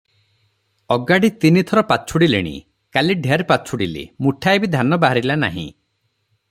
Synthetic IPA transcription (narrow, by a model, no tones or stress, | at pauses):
ɔɡaɽit̪init̪ʰɔɾɔpat͡ʃʰuɽilḭɽ̃ḭ | kaliɖʱeaɾpat͡ʃʰuɽilḭmuʈʰaebid̪ʱanɔbaɦaɾilana̰ɦḭ̃